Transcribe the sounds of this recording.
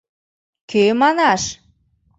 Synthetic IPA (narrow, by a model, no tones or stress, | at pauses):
kømɑnɑʃ